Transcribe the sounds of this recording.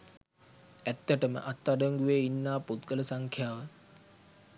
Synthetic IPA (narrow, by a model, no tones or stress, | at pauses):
æt̪ːəʈəmə̰ʔat̪ːaɖəŋɡuʋeːinːaːput̪ɡələsaŋkʰjaːʋə